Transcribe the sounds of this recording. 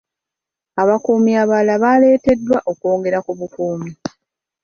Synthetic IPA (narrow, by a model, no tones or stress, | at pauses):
aβakuːmiaβalaβale̞ːte̞dːwaʔo̞koːŋɡe̞ɾakuβukuːmi